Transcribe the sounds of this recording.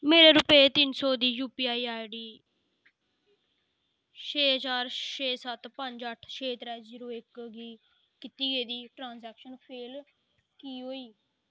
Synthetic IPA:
meːɾeːɾʊpeːt̪ɪnsɔːd̪iːjuːpiːaːiːaːjɖiː | ʃʰeːɦəd͡ʒaːɾʃeːsət̪pəɲd͡ʒəʈʰʃʰeːt̪ɾɛːziːɾoːɪkɡiː | kɪt̪iːɡeːd̪iːʈɾãːnsɛːkʃənpʰeːl | kiːɦoːiː

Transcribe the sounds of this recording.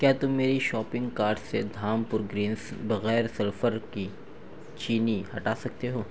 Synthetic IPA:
kjaːt̪ʊmːeːɾiʃɔːpɪ̃ŋɡkaːɾɖsed̪ʱaːmpʊɾɡɾĩːnsbɐɣɛːɾsɐɾfəɾki | t͡ʃiːnihɐʈaːsɐk̚t̪eɦoː

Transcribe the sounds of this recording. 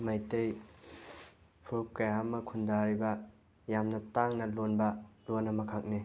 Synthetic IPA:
majtej | pʰuɾup̚kɐjamːɐkʰundaɾibɐ | jamnɐtaŋnɐlonbɐlonːɐmɐkʰak̚ni

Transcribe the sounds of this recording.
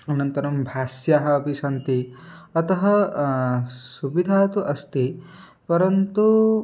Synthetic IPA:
ɐnɐnt̪ɐɾɐmbʱaːsjaːɦɐːpisɐnt̪iɐt̪ɐɦɐ | subid̪ʱaːt̪uʔɐst̪i | pɐɾɐnt̪u

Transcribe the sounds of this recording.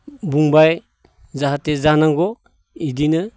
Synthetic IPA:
buŋbaj | zaɦatezanaŋɡɔ | idinɯ

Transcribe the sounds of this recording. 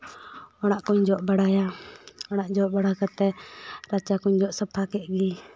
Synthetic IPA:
ɔɽ̃aʔkuɲd͡ʒɔʔbaɽajaɔɽ̃aʔd͡ʒɔʔbaɽakat̪ɛɾat͡ʃakuɲd͡ʒɔʔsəpʰakɛʔ̚ɡi

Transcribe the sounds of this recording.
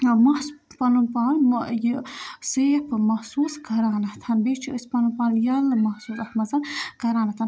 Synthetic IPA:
mɐhpɐlunpaːnjseːpʰmɐhsuːsɡʱɐɾaːnɐht̪ʰɐnbeːt͡ʃʰiəsʲpɐnunpaːnjɐlmɐhsuːsɐhmɐzɐnɡɐɾaːnɐt̪ʰɐn

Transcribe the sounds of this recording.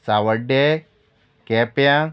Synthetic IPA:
sawəɖe | kepjã

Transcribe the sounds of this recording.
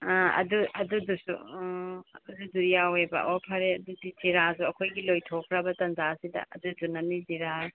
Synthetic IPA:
ɐ̰duʔɐ̰dudusṵ | ɐduduɾijawebɐ̰ʔopʰaɾeɐdudiziɾazuɐkʰojɡilojtʰokʰɾɐbɐtɐnd͡ʒasidɐ̰ʔɐdud͡ʒunɐniziɾa

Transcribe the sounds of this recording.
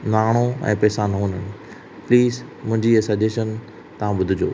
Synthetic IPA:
naːɽ̃oɛ̰̃ːpɛːsãnɐɦõːnəñɪ̆ | pliːzmʊ̃ɦɪ̃ɲd͡ʑiɐsɐd͡ʑeʃən | t̪ɐʋ̤ãɓʊd̪ʱɪd͡ʑo̰ː

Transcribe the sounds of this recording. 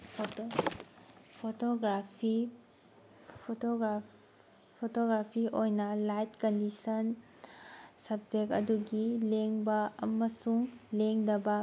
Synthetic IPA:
pʰ | pʰotoɡɾapʰi | pʰotoɡɾa | pʰotoɡɾapʰiʔojnɐlajt̚kɐndisɐn | sɐb̚d͡ʒekɐ̰duɡileŋbɐɐ̰mɐsuŋleŋdɐbɐ

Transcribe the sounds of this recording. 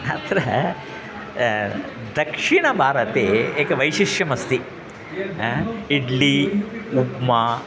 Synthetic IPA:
a̰t̪ɾɐ | d̪ɐkʂiɳɐbʱaːɾɐt̪eːeːkɐʋɐjʃiʂjɐmɐst̪i | iɖliupmaː

